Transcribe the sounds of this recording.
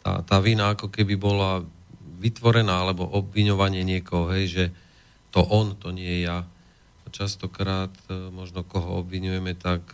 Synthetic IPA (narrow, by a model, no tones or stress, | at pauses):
t̪a̰ːt̪aːʋinaakɔkɛbibɔlaʋit̪ʋɔɾɛnaːalɛbɔʔɔbʋiɲɔʋaɲɪɛɲɪɛkɔɦɔɦɛjʒɛ | t̪ɔʔɔnt̪ɔɲɪɛɛja | at͡ʃast̪ɔkɾaːt̪mɔʒnɔkɔɦɔɔbʋiɲujɛmɛt̪ak